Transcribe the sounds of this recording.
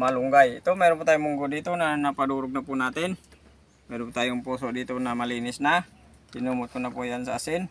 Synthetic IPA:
maluŋɡait̪umɛɾumput̪aimuŋɡudit̪unanapaduɾuk̚napunat̪in | mɛɾumput̪ajmpɔsɔdit̪unamalinisna | inumut̪̚kunapɔjansa̰sin

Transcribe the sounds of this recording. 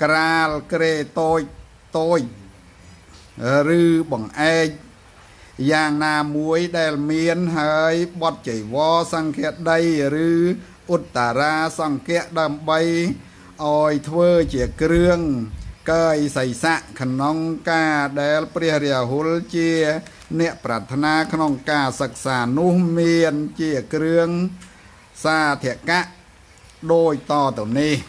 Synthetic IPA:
kraːlkreːt̪oːc̚ | t̪oːc̚ | rɨːɓɑŋʔaɛk̚ | jaːŋnaːmuəjɗaɛlmiənɦaəjɓɑt̪̚t͡ɕəjʋɑːsɑŋkɛəʔɗəjrɨː | ʔut̪ːaɾaːsɑŋkɛ̆əʔɗaəmɓəj | ʔaɔjt̪ʰʋəːt͡ɕiəkrɨəŋkəːjsəjsaʔkʰnoŋkaːɗaɛlprɛəhrɛəɦult͡ɕiə | nɛ̆əʔprat̪ʰːnaːkʰnoŋkaːsək̚saːnʊ̆əhmiənt͡ɕiəkrɨəŋ | saːt̪ʰĭəʔkaʔ | ɗoːc̚t̪ɑːt̪ɨwnih

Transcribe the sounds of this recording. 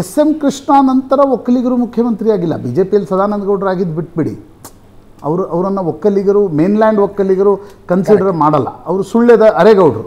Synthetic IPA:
esemkɾiʂɳaːnɐnt̪ɐɾɐɔkːɐliɡɐɾuːmukʰjɐmɐnt̪ɾijaːɡilːɐ̰biːd͡ʒe̞ːpijɐlisɐd̪ʱaːnɐnd̪ɐɡɐwɖɐɾaːɡid̪biʈ̚biɽḭ | ɐ̰ʋɐɾuʔɐʋɐɾɐnːɐɔkːɐliɡɐɾuːmeːnlaːɳɖʋɔkːɐliɡɐɾukɐnsiɖɐɾɐmaːɽɐlːɐ̰ɐʋɐɾusuɭjɐd̪ɐʔɐɾeɡɐwɖɾu

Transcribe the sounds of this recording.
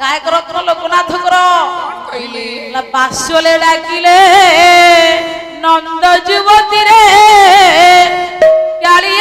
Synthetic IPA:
kajkɔɾɔkɔɾɔlokɔnat̪ʰɔkɔɾɔk | labasjoleɖakile | nɔnd̪ɔd͡ʒibɔt̪iɾe | kaɾi

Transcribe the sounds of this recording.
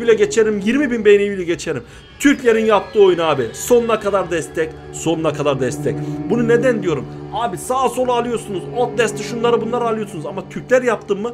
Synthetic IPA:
ilʲɛɟe̞t͡ʃʰeɾimjiɾmibinbejnivilʲiɟe̞t͡ʃʰeɾim | t̪ʰyɾclʲe̞ɾinjapt̪ʰɯːo̞junaːbiso̞nunakʰad̪aɾd̪ɛst̪ʰɛc | so̞nunakʰad̪aɾd̪ɛst̪ʰɛcbunune̞d̪ænd̪ijo̞ɾum | aːbisaːso̞lˠaːlˠɯjo̞ɾsunuzot̪̚d̪ɛst̪ʰːɯʃunlˠaɾɯbunlˠaɾɯalˠɯjo̞sunuzamat̪ʰyɾclʲæɾjap̚t̪ʰɯmːɯ

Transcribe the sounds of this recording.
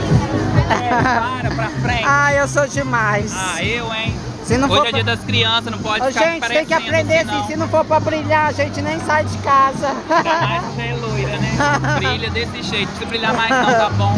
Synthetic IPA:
aɾɐpɾɐfɾẽaewsod͡ʒɪmajsaewẽ | sɪnɐ̃w̃foɾiɐd̪ɐskɾiɐ̃sɐznɐ̃pɔd͡ʒʒẽt͡ʃɪt̪j̃k̬ɪapɾẽnd̪eɾsĩsɪnɐ̃w̃foɾpɾɐbɾiʎaʒẽnt͡ʃɪnẽj̃sajd͡ʒɪkazɐ | elojɾɐnɛbiʎɐd̪esɪʒejt̪ẽkɪbɾiʎamajzʒapɐ̃w̃

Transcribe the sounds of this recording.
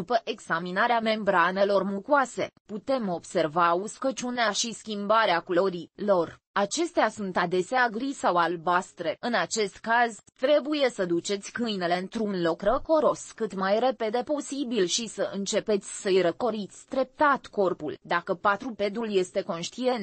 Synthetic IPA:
dupəʔe̞ɡz̥aminaɾeame̞mbɾane̞lo̞rmukuase̞̰put̪e̞mo̞bse̞rvauskot͡ʃuneaʃiskʲimbaɾeakulo̞ɾilo̞r | at͡ʃe̞st̪easunt̪ad̪e̞seaɡɾisawalbast̪ɾe̞ɨnat͡ʃe̞st̪kazt̪ɾe̞buje̞səd̪ut͡ʃe̞t̪sʲkɨjne̞le̞ɨnt̪ɾunlo̞kɾəko̞ɾo̞skɨt̪majre̞pe̞d̪e̞po̞sibilʃisəʔɨnt͡ʃe̞pe̞t̪sʲsəjɾəko̞ɾit̪sʲt̪ɾe̞p̚t̪at̪ko̞rpṵld̪akəpat̪ɾupe̞d̪ɾulje̞st̪e̞ko̞nʃt̪ie̞nt̪

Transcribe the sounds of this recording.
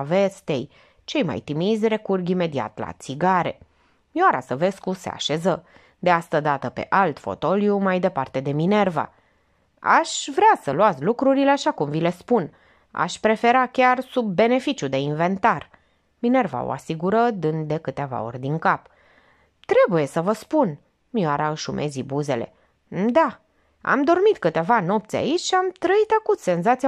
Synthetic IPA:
ave̞st̪e̞j | t͡ʃe̞jma̰jt̪imizʲre̞kurɡime̞d̪ia̰t̪la̰t̪siɡaɾe̞̰ | mjoaɾa̰səve̞skuse̞̰a̰ʃe̞zə | d̪e̞ast̪əd̪at̪əpe̞̰ʔalt̪fo̞̰t̪o̞ljumajd̪e̞part̪e̞d̪e̞mine̞rva̰ | a̰ʃvɾeasəluat̪sʲlukɾuɾileaʃakumvile̞spun | a̰ʃpɾe̞fe̞ɾakʲarsub̚ːe̞ne̞fit͡ʃʲud̪e̞inve̞nt̪ar | mine̞rva̰o̰a̰siɡuɾəd̪ɨnd̪d̪e̞kɨt̪e̞va̰o̞̰ɾʲd̪iŋkap | t̪ɾe̞buje̞səvəspun | mioaɾaɨʃumʔe̞zibuze̞le̞̰ | d̪a | a̰md̪o̞rmit̪kɨt̪e̞vano̞pt̪sʲa̰it͡ʃʲʃiamt̪ɾəit̪akut̪se̞nzat̪sia

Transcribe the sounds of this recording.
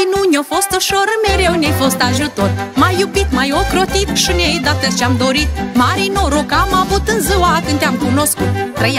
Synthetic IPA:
nunʲofost̪oʃoɾɨmeɾewnʲejfost̪aʒut̪ormajːubit̪majokɾot̪it̪ʃɨnʲejd̪at̪ət͡ʃeamd̪oɾit̪̚maɾinoɾokamavut̪ɨnzɨwakɨnt̪ʲeamkunoskut̪ːɾəj

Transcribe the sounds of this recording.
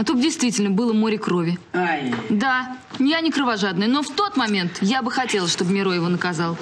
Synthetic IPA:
ɐt̪ut̪̚dʲɪjst̪vʲitʲɪlʲnəbɨlˠəmo̞ɾʲɪkɾo̞vʲɪ | d̪a | nʲɪjanʲɪkɾəvɐʐad̪nɨjənoft̪o̞t̪mɐmʲe̞nt̪jabɨxɐtʲelˠəsʂt̪o̞bmʲɪɾojɪvo̞nəkɐzalˠ

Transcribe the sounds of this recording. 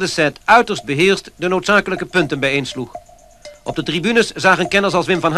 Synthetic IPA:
dəsɛtœɥtəɹsd̚bəɦɪːɹstdənowtsaːkələkəpɵntənbɛjejnsluχ | ʔɔb̚dətribynəszaːχənkɛnəsɑlˠsʋɪmvɑnɦ

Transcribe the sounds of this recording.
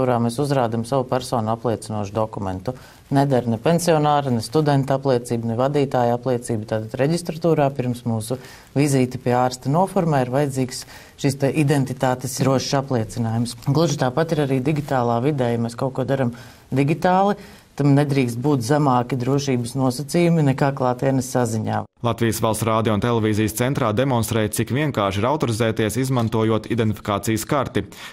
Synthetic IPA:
uːɾaːmɛsuzɾaːd̪amsaʋupæɾsɔːnʊaplˠiɛt̪sinuɔʃud̪ɔkumɛ̰nt̪u | nɛd̪aɾnɛpɛnsiɔnaːɾanɛst̪ud̪ɛnt̪aplˠiɛt̪siːbnɛvad̪iːt̪aːjaplˠiɛt̪siːbut̪aːt̪ad̪ɾɛɟist̪ɾat̪uːɾaːpiɾmsmuːsu | viziːt̪ipiɛaːɾst̪anuɔfɔɾmaːiɾvajɛd̪ziːks | ʃist̪ɛʔid̪ent̪it̪aːt̪esɾuɔʃʃaplˠiɛt̪sinaːjumsɡlˠuʒit̪aːpat̪iɾaɾiːd̪iɡʲit̪aːlˠaːvid̪ɛːjamɛskawkuɔd̪aɾam | d̪iɡʲit̪aːlˠi | t̪amnɛd̪ɾiːkst̪̚buːt̪zamaːkid̪ɾuɔʃiːbəsnuɔsɐt̪siːjuminɛkaːklˠaːt̪ɛɛnəsːaziɲa̰ːlˠat̪vijəsʋalˠsɾaːd̪ijount̪ɛlˠɛviːzijst̪sɛnt̪ɾaːd̪emɔnst̪ɾɛːjt̪sikviɛŋkaːʃiɾawt̪ɔɾizɛːt̪iɛsizmant̪uɔjuɔt̪id̪ɛnt̪i̥fʲi̥kaːt̪sijəskaɾt̪i

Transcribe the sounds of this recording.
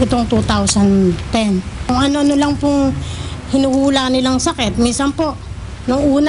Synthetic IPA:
ʔɪt̪oŋt̪ut̪awsɐnt̪ɛnkʊŋʔɐno̞ɐnolɐŋpʊŋhɪnuhuːlanɪlaŋsɐkɛt̪̚minsɐnpo̞ʔ | nʊŋʔuːn

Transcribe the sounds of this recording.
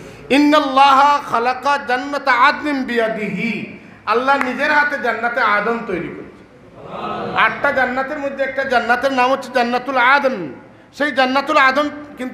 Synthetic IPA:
inːɐlːaːɦɐxɐlɐqad͡ʒɐnːɐt̪ad̪limbijad̪iɦi | ɐlːaɦnid͡ʒeɾɦat̪ed͡ʒɐnːat̪ead̪ɔmt̪ojɾikɔɾit͡ʃʰi̥ | aʈʈad͡ʒɐnːat̪eɾmod̪ʱːeɛk̚ʈad͡ʒɐnːat̪eɾnamotːt͡ʃʰid͡ʒɐnːat̪ulad̪n | sejd͡ʒɐnːat̪ulad̪ɔmkint̪

